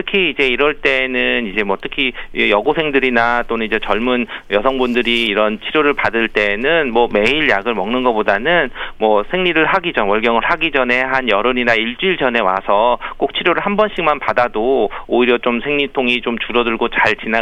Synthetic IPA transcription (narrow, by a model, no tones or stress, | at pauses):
tʰɯkʰiːd͡ʑe̞iɾʌɭt͈e̞ːnɯnid͡ʑe̞mwʌtʰɯkʰijʌɡosʰe̞ŋdɯɾinat͈onɯnid͡ʑe̞t͡ɕʌɭmunjʌsʰʌŋbundɯɾiːɾʌnt͡ɕʰiɾjoɾɯɭpadɯɭt͈e̞ːnɯnmwʌme̞iɭjaɡɯɭmʌŋnɯnɡʌpodanɯnmwʌsʰe̞ŋɲiɾɯɭɦaɡid͡ʑowʌɭɡjʌŋɯɭɦaɡid͡ʑʌne̞ɦanjʌɾɯɲinaiɭt͡ɕ͈uiɭd͡ʑʌne̞wa̰sʰʌk͈ok̚t͡ɕʰiɾjoɾɯɭɦambʌnɕ͈ʰiŋmanpadadooiɾjʌt͡ɕomsʰe̞ŋɲitʰoŋit͡ɕomt͡ɕuɾʌdɯɭɡot͡ɕaɭt͡ɕina